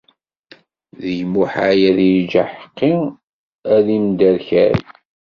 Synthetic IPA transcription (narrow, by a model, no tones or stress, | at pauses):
ðəʝmuħajæðiɾd͡ʒaħə̥qːi | æðimd̪æɾçæɾ